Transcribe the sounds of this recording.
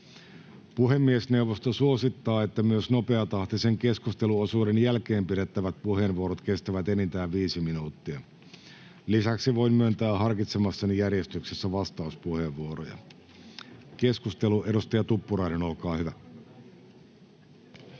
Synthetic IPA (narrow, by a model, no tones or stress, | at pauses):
puɦe̞mːiesne̞uʋost̪osuosit̪ːɑːet̪ːæmyøsno̞pe̞ɑt̪ɑht̪iseŋke̞skust̪eluosuːdenjælke̞ːmpiɾet̪ːæʋæt̪̚puhe̞ːnʋuoɾot̪ke̞st̪æʋæt̪enint̪æːʋʋiːsiminuːt̪ːiɑ | lisæksiʋo̞jmyønt̪æːɦɑrkit̪semɑsːɑnijærjest̪yksesːæʋɑst̪ɑuspuheʋʋuoɾo̰jɑ̰ | ke̞skust̪e̞luʔe̞ɾust̪ɑjɑt̪upːuɾɑinenolkɑːhyʋæ